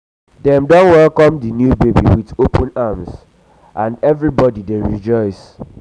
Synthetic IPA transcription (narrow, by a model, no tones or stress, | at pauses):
dɛ̃mdɔ̃nwɛlkɔ̃mdinjubebḭwidopʰɔ̃namz | ʔãndɛvɹibɔdideɹid͡ʒɔɪs